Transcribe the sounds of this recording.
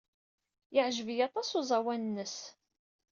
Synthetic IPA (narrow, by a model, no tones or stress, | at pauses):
jəʕʒəvijɑt̪ˤɑsuzˤæwænənːəs